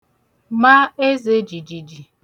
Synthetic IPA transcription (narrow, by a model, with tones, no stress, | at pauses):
ma˦e˦ze˦d͡ʒi˨d͡ʒi˨d͡ʒi˨